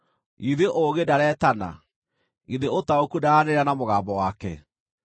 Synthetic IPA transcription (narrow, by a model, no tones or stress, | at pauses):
iðeʔoɣedaɾɛːtana̰ | iðeotaokudaaneɾanamoɣaːmbɔwakɛ̰